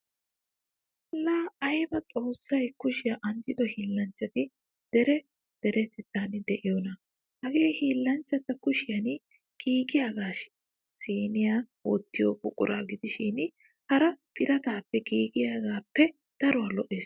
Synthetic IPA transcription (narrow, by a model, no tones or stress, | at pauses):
laɐjbɐt͡sʼo̞ːsːɐjkʊʃɪjaʔɐnd͡ʒɪd̪ɔhiːlːɐnt͡ʃːɐt̪ɪ | d̪̥ɛɾɛ | d̪̥ɛɾɛt̪ɛt̪ːaːnɪd̪ɛʔɪjonɐ | hɐɡe̞ːhiːlːɐnt͡ʃːɐt̪ːɐkʊʃɪjɐn | ɡ̥iːɡɪjaːɡaːʃɪ̥ | siːnɪjaː | oːt̪ːɪjoːkʼʊkʼːʊ̰ɾʔa̰ːɡɪd̪ɪʃɪn | hɐɾɐpʰɪɾɐt̪aːpːɛɡiːɡɪjaːɡaːpːɛ | d̪̥ɐɾɔwalɔʔeːs